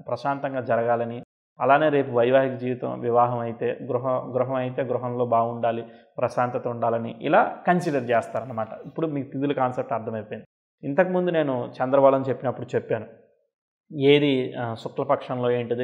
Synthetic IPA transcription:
pɾɐʃaːnt̪ɐŋɡaːd͡ʒɐɾɐɡaːlɐni | ɐlaːne̞ːɾe̞ːp̬uʋɐjʋaːɦikɐd͡ʒiːʋit̪ɐ̰mʋiʋaːɦɐmɐjit̪e̞ːɡɾuɦɐɡɾuɦɐmɐjit̪e̞ːɡɾuɦɐmlo̞ːbaːɡuɳɖaːlipɾɐʃaːnt̪ɐt̪ɐuɳɖaːlɐniʔḭla̰ːkɐnsiːɖɐɾt͡ʃɛːst̪aːɾɐnːɐmaːʈɐipːuɽumiːkup̪id̪ulukaːnsep̚ʈɐɾd̪ʰʱɐmɐjpojind̪i | int̪ɐkimund̪une̞ːnut͡ʃɛnd̪ɾɐbaːlɐnt͡ʃe̞pːinɐpːuɽut͡ʃepːaːnu | eːd̪isuklɐpɐkʂɐnlo̞ːe̞ːɳʈud̪i

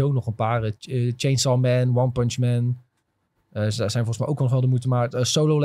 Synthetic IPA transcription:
ownɔχənpaːrəət͡ʃejnsɑlmɛnwɑnpənt͡ʃmɛn | əzɛjnfɔlχəsmɛjowkʋɔlˠnɔχʋɛlˠdəmutəmaːəsowlowl

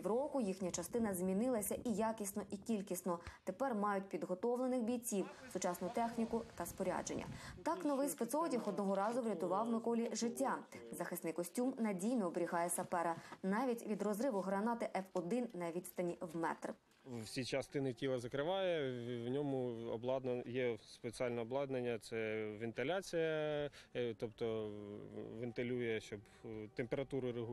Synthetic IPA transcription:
wɾɔkʊjixnʲɐt͡ʃɐst̪ɪnɐzʲmʲinɪlˠɐsʲɐʔijakʲisʲnɔʔikʲilʲkʲisnɔt̪epɛrmɑjʊtʲpʲid̪ɦɔt̪ɔʋlˠenɪxbʲijt͡sʲiwsʊt͡ʃɑsnʊt̪ɛxnʲikʊt̪ɐspɔɾʲa̰d͡ʒenʲːɐ̰t̪ɑknɔʋɪjspet̪sɔtʲixɔd̪nɔɦɔɾɑzʊʋɾʲɐt̪ʊʋɑwmɪkɔlʲiʒɪtʲːazɐxɪst̪nɪjkɔsʲtʲumnɐdʲijnɔɔbeɾʲiɦɑjɛsʲɐpɛɾɐnɑʋʲitʲʋʲid̪rɔzɾɪʋʊɦɾɐnɑt̪ɪʔɛfɔd̪ɪnnɐʋʲit̪st̪ɐnʲiwmɛ̰t̪r | wsʲit͡ʃɐst̪ɪnɪtʲilˠɐzɐkɾɪʋɑjɛʋnʲɔmʊɔblˠɑd̪njɛspet͡sʲialʲnɛɔblˠɑd̪nenʲːɐt̪sɛʋʲɪnt̪elʲat͡sʲijɐ | t̪ɔpt̪ɔ | ʋɪnt̪elʲujɛʃt͡ʃɔb | t̪empeɾɐt̪uɾʊɾɪɦ

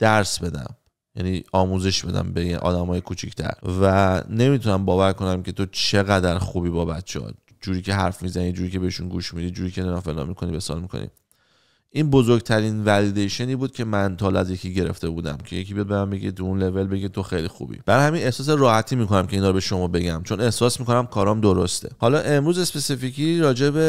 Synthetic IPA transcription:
d̪̥æɾsbe̞d̪æ̰m | jæniːɒːmuːze̞ʃb̥e̞d̪æ̰mbeʔɒ̰ːd̪æmɒːjekʰut͡ʃʰict̪ʰæ̰ɾvæne̞mit̪ʰunæmbɒːvæɾko̞næmcʰe̞t̪ʰo̞t͡ʃʰe̞ɣæd̪æɾxuːbiːbɒːbæt̪t͡ʃʰeɒ̰ | d͡ʒuːɾiːcʰe̞ɦæɾfmizænid͡ʒuːɾiːcʰe̞beeʃunɡuːʃmiːd̪iːd͡ʒuːɾiːcʰenenɒːfelɒ̰mikʰo̞nibesɒ̰ːlmikʰo̞̰nḭ | ʔinbozoɾɡt̪ʰæɾinvælid̪ejʃeniːbuːd̪̥̚cʰe̞mænt̪ʰɒːlæzje̞cʰiːɟe̞ɾe̞̰ft̪ʰe̞buːd̪æ̰mcʰe̞̰je̞kʰibijɒd̪̚bemæmbe̞ɡḭt̪ʰuunle̞ve̞lbe̞ɡit̪ʰo̞xejlixṵbḭb̥æɾjhæmine̞hsɒːs̬eɾɒːhæt̪ʰiːmiːko̞næmcʰe̞iːnɒːɾo̞be̞ʃo̞mɒːbe̞ɟæmt͡ʃʰo̞ne̞hsɒːsmikʰo̞næmkʰɒːɾɒmd̪o̞ɾost̪ʰe̞̰hɒlɒːʔe̞mɾuːze̞spe̞sifikʰiɾɒːd͡ʒe̞be

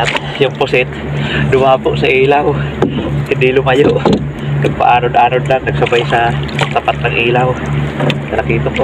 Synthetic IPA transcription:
at̪ | jʊŋpʊsɪt̪ | d̪ʊmaːpʊʔsɐʔiːlaw | hɪnd̪ɪlʊmajoʔ | nɐɡ̚pa̰ʔaːɾʊd̪ʔaːɾʊd̪lannɐɡsɐbajsat̪apat̪̚nɐŋʔiːlaw | nɐlakiːt̪ʊnko

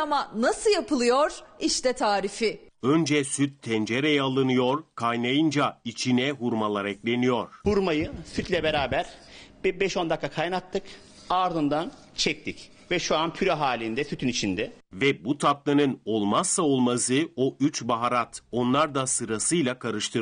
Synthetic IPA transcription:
amanasɯjapɯlˠɯjo̞ɾ̥iʃt̪ɛt̪ʰaːɾifɪønd͡ʒɛsyt̪ʰːɛnd͡ʒeɾejɛalˠɯnɯjo̞ɾkʰajnajɯnd͡ʒait͡ʃʰinɛɦuɾmalˠaɾɛclʲe̞nijo̞ɾ̥huɾmajɯsyt̪lʲɛbeɾaːbæɾ̥bbɛʃo̞nd̪akʰːakʰajnak̚t̪ʰːɯk | aɾd̪ɯnd̪an | t͡ʃʰɛc̚t̪ʰic | vɛʃuanpʰyɾaɦaːlʲind̪ɛsyt̪ʰynit͡ʃʰind̪ɛ | vɛbut̪ʰap̚lˠanɯno̞lˠmasːao̞lˠmasɯoʔyt͡ʃbaɦaɾat̪o̞nlˠaɾd̪asɯɾasɯjlʲˠakʰaɾɯʃt̪ʰɯ

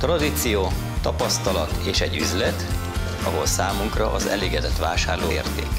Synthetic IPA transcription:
t̪rɒd̪it̪sijoː | t̪ɒpɒst̪ɒlɒt̪eːʃɛɟːy̰zlɛt̪ | ɒɦo̞̰lsaːmuŋkrɒʔɒzɛ̰leːɡɛd̪ɛt̪ʋaːʃaːrloːḛːrt̪ḛːk

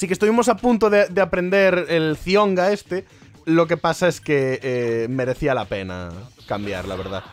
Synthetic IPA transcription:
sikest̪uβimos̬apunt̪oðed̪eapɾend̪eɾelθjoŋɡaest̪e | lok̬epasaeskeemeɾeθialapena̰kambja̰ɾla̰β̞eɾða̰

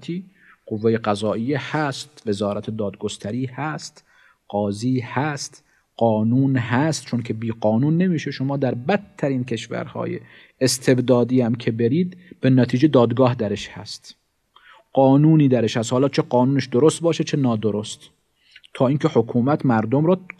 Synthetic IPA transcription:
t̪ʰiːqovːejeɢæzɒːʔijːehæst̪ve̞zɒːɾæt̪ʰed̪ɒːd̪̚ɡost̪ʰæɾiːhæst̪ | qɒːziːhæst̪ | qɒːnuːnɦæst̪̚t͡ʃʰoncʰe̞biːɒːnuːnːe̞miːʃeʃo̞mɒːd̪æɾbæt̪ʰːæɾiːnkʰe̞ʃvæ̰ɾhɒ̰ːjḛː | st̪ʰe̞bd̪ɒːd̪iːæmkʰe̞beɾiːd̪b̥enæt̪ʰiːd͡ʒed̪ɒːd̪ɡɒːhd̪æɾeʃhæ̰st̪ | qɒːnuːniːd̪æɾeʃhæst̪hɒːlɒːt͡ʃʰeɡɒːnuːneʃd̪oɾost̪̚bɒːʃet͡ʃʰenɒːd̪oɾost̪ | t̪ʰɒːiːncʰe̞hokʰuːmæt̪ʰmæɾd̪omɾɒː

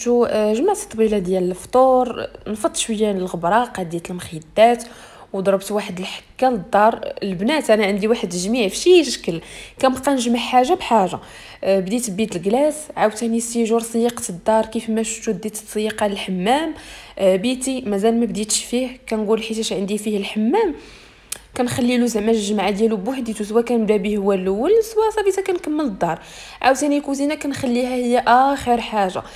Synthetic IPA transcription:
t̪uʒəmaʕt̪t̪ˤːbilad̪jæləlft̪ˤuɾˤnfɑt̪ˤːʃwəjːænəlɣəbɾˤɑqɑd̪jæt̪əlmxid̪ːæt̪ | wd̪ˤɾˤbt̪waħəd̪əlħə̥kːæləd̪ːɑɾˤlbnæt̪ʔænæʕənd̪iwaħəd̪ʒmiʕfʃiʃʃkəlkæmqɑnʒməlħaʒabħaʒa̰ | bd̪it̪bit̪əlɡlæsʕawt̪ænisiʒuɾsˤjiqt̪əd̪ːɑɾˤkifmæʃʃud̪it̪əsˤːjiqaləlħəmːæmbit̪imæzælmæbd̪it̪ʃfihkænɡulħit̪æʃʕənd̪ifihəlħəmːæm | kænxælːilusmæʃʒmaʕad̪jælubuħd̪it̪us̬əwækænəmd̪æbihəwːælwːəlswæsˤɑbit̪ækænkəmːəld̪ːɑɾˤ | ʕawt̪ænikuzinækænxælːihæhəjːæʔæxəɾħaʒa̰

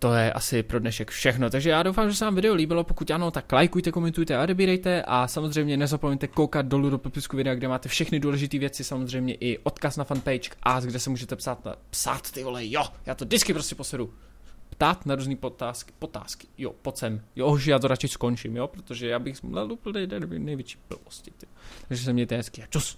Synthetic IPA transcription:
t̪o̞jɛʔa̰sɪpɾo̞dnɛʃɛkfʃɛxnot̪aɡʒɛjaːdowfaːmʒɛsɛvaːmvɪdɛoliːbɪlopokuc̪ʔanot̪aklajkujt̪ɛko̞mɛnt̪ujt̪ɛao̞dɛbiːɾɛjt̪ɛʔasamozr̝ɛjmɲɛnɛzapomɛɲt̪ɛkowkad̪̚do̞ludopɛpɪskuvɪdɛaɡdɛmaːt̪ɛfʃɛxnɪduːlɛʒɪt̪iːvjɛt͡sɪsamozr̝ɛjmɲɛʔɪʔo̞t̪kasnafanpɛjt͡ʃkʔasɡdɛsɛmuːʒɛt̪ɛpsaːt̪a̰psa̰ːt̪ːɪvolɛjojaːt̪odɪt͡skɪpɾo̞scɛposɛɾu | pt̪aːt̪naɾuːzniːpot̪aːskɪ̥pot̪a̰ːskɪ̥jo̰pot͡sɛmjouʃjaːt̪oɾat͡ʃɪsko̞nt͡ʃɪmjopɾot̪oʒɛjaːbɪxmlɛlupl̩dɛjdɛdobnɛjvjɛt͡ʃi̥ːpl̩̰voscɪt̪ɪt̪aʒɛs̬ɛmɲɛjt̪ɛɦɛskiat͡ʃus

